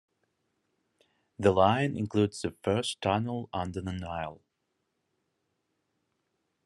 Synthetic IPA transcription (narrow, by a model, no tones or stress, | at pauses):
ðəlãɪ̃nʔɪ̰̃nkʰl̥udz̥ðɨfɜ˞stʰʌnl̩ˠʌ̃ndə˞ðənaɪlˠ